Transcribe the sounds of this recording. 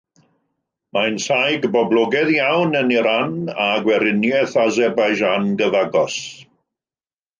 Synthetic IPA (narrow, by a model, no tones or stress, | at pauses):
majnsajɡbɔblˠɔɡɛðjawnəniɾanaɡwɛɾɪnjɛθazɛrbajʒanɡəvaɡɔs